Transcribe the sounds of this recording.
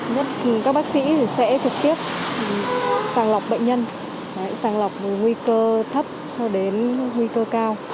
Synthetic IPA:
ɲə˦˥t̚i˨˩kaː˦k̚ɓaː˦˥k̚sḭ˧˥t̪ʰi˨˩sɛ̰˧˥t̪ʰɨ˨˩k̚t̪i˦˥əp̚ | saː˧˩ŋla˨˩wk͡p̚ɓə̰˧˨ŋ̟ɲə˧n˨ | a˨˧˥jsaː˧˩ŋla˨˩wk͡p̚vɨ˨˩ŋwi˧kəː˧t̪ʰə˦˥p̚t͡ɕɔ˧ɗe˨˦nŋwi˧kəː˧kaː˧w

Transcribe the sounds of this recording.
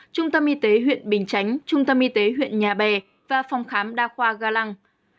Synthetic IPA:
t͡ɕʊ˧ŋ͡mt̪ə˧mʔi˧t̪e˨˦ɦwḭ˧˨ənɓï˨˩ŋ̟t͡ɕa˨˦jŋ̟t͡ɕʊ˧ŋ͡mt̪ə˧mʔi˧t̪e˨˦ɦwḭ˧˨ənɲaː˨˩ɓɛ˨˩ | vaː˨˩fa˨˧wŋ͡mxaː˨˦mɗaː˧xwaː˧ɣaː˧la˧ŋ

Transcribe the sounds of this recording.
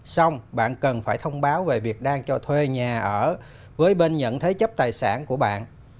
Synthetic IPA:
sa˧wŋ͡mɓa̰ː˧˨nkə˨˩nfaː˧˩jt̪ʰə˧wŋ͡mɓaː˨˦wve˨˩vi˨˩ək̚ɗaː˧ŋt͡ɕɔ˧t̪ʰwe˧ɲaː˨˩ʔəː˧˩ | vəː˨˦jɓe˧nɲə̰˧˨nt̪ʰə˨˦jt͡ɕə˦˥p̚t̪aː˨˩jsa̰ː˧˩nku˧˩əɓa̰ː˧˨nʔ

